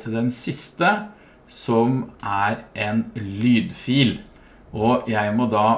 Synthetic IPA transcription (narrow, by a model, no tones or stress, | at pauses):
t̪ʰɪld̪ɛnsɪst̪ə | sɔmʔæɾʔɛnlyːd̪fiːl | ʔɔjæɪmɔd̪ɑː